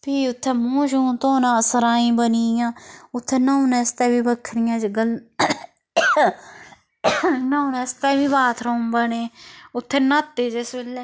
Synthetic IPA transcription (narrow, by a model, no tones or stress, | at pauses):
pʰiːʊt̪ʰːɛːmũːʃũːt̪oːnãːəsəɾaːĩːbəniːjãːʊt̪ʰːeːnãunɛːst̪ɛːbiːbəkʰɾɪjãːd͡ʒɡəl | nãũnɛːst̪ɛːbiːbaːt̪ʰɾombəneːʊt̪ʰːeːnat̪ːeːd͡ʒesbelɛː